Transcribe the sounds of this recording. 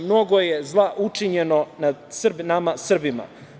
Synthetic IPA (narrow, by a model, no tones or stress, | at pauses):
mno̞ɡo̞jezlˠaʔut͡ʂiɲeno̞nad̪sr̩binamasr̩bima̰